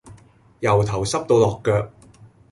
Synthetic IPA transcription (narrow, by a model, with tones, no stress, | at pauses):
jɐ˨˩wt̪ʰɐ˨˩wsɐ˥p̚t̪o˧wlɔː˨kːœː˧k̚